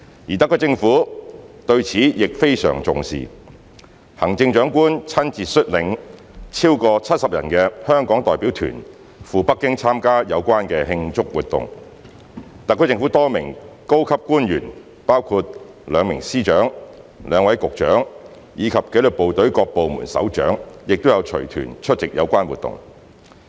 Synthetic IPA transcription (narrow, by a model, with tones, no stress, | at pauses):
ji˨˩t̪ɐ˨kʰːɵː˧˥t͡sɪ˧ŋfuː˨˥t̪ɵ˧ɥt͡sʰiː˨˥jɪ˨k̚fe˥jsœ̰ː˨˩ŋt͡sʊ˨ŋsḭː˨˩ | hɐ˨˩ŋt͡sɪ˧ŋt͡ʃœː˨˥ŋkuː˥nt͡sʰɐ˥nt͡siː˨tsɵ˥t̚lɪ˨ŋ | t͡sʰiː˥wkɔː˧t͡sʰɐ˥t̚sɐ˨p̚jɐ̰˨˩nkɛː˧hœː˥ŋkɔː˨˥ŋt̪ɔː˨jpiː˨˥wt̪ʰy̰ː˨˩n | fuː˨pɐ˥kːɪ˥ŋt͡sʰaː˥mkaː˥jɐ˨˧wkʷaː˥nkɛː˧ɦɪ˧ŋt͡sʊ˥k̚wuː˨t̚t̪ʊ̰˨ŋ | t̪ɐ˨kʰːt͡sɪ˧ŋfuː˨˥t̪ɔː˥mɪ˨˩ŋko˥wkʰɐ˥p̚kuː˥njy̰ː˨˩n | paː˥wkʰuː˧t̚ | lœː˨˧ŋmɪ˨˩ŋsiː˥t͡ʃœː˨˥ŋ | lœː˨˧ŋwɐ˨˥jkʊ˨k̚t͡ʃœ̰ː˨˥ŋ | jiː˨˧kʰɐ˨p̚ke˨˥lɵ˨k̚po˨wt̪ɵ˨˥ɥkɔː˧k̚po˨wmṵ˨˩nsɐ̰˨˥wt͡ʃœ̰ː˨˥ŋjɪ˨k̚t̪o˥wjɐ˨˧wt͡ʃʰɵ̰˨˩t̪ʰy̰ː˨˩nt͡ʃʰɵ˥t̚t͡sɪ˨k̚jɐ̰˨˧wkʷaː˥nwṵː˨˩t̪ʊ̰˨˩ŋ